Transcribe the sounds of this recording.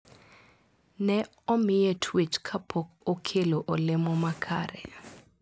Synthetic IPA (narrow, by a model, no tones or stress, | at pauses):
nɛ | omijɛtʰwit͡ʃkʰapʰɔkokʰelɔʔolɪmɔmakʰa̰ːɾɛ̰